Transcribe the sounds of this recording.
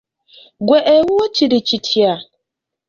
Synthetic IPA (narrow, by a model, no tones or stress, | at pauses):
ɡʷeʔeɦuot͡ʃidit͡ʃitʰia